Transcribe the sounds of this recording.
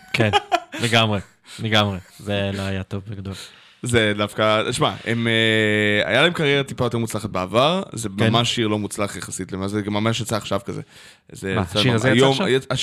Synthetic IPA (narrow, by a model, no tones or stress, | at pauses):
kʰenleɡamʁe | leɡamʁezelaajat̪oveɡad̪ol | zed̪afkaʃmaemea̰jalae̞mkaʁjeʁat̪i̥pajote̞mut͡slaχat̚beavaʁzemamaʃːiʁlo̞mut͡slaχjaχasit̪lemazeɡamːamaʃ̬jat͡saːχʃavkazḛ | zeaaiajomja